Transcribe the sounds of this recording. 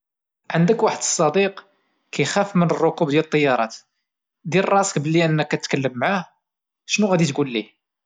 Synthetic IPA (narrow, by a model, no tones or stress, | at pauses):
ʕənd̪əkwaħəd̪əsˤːɑd̪iq | kæjxæfmənərˤːokub̚d̪jælət̪ˤːɑjːɑɾˤɑt̪ | d̪ilrˤːɑsə̥k̚bəlːiʔənːəkːæt̪kəlːəmːʕah | ʃnuɣæd̪it̪ɡulːi